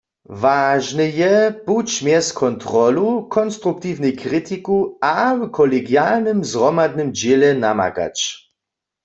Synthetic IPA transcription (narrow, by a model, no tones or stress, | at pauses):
vaːʒnɛjɛput͡ɕmjɛskʰɔnt̪ʁɔlukʰɔnst̪ʁuk̚t̪iwnɛjkʁit̪ikuawkʰɔlɛɡjalnɨmzʁɔmad̪̚nɨmd͡ʒelɛna̰ma̰ka̰t͡ʃ